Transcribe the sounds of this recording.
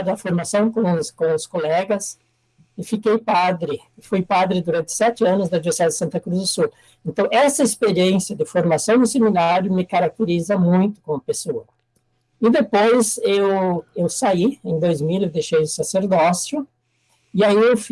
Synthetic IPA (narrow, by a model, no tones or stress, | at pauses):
d̪ɐfoɾmasɐ̃w̃kõskõʊskolɛɡɐs | ɪfikejpad̪ɾɪ | fujpad̪ɾɪd̪uɾɐ̃nt̪ɪ̥sɛt͡ʃ̪ɪɐ̃nʊzd̪ɐadiveɾsid̪adɪɪsɐ̃nt̪ɐkɾuzd̪ʊsu | ẽnt̪ɐ̃w̃ɛsɐespeɾiẽnsjɐd̪ɪfoɾmasɐ̃w̃d̪ʊseminaɾjʊmɪkaɾak̚t̪eɾizɐmũj̃t̪ʊ̥kõɐpesoɐ | ɪd̪epojzewewsaiẽd̪ojzmilewd̪ejʃejʊsaseɾd̪ɔsjʊ | ɪaiewf